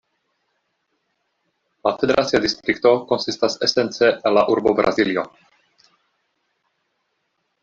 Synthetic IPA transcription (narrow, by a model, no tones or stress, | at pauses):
lafe̞deɾʔatt͡siadist̪ɾikto̞ko̞nsistasesent͡seʔːnlaʔuɾbobɾa̰zilio̞